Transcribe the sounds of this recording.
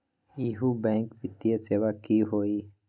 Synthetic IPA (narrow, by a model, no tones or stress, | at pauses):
iɦubɛ̃ːŋkpɪt̪ijeseːʋakiɦoːiː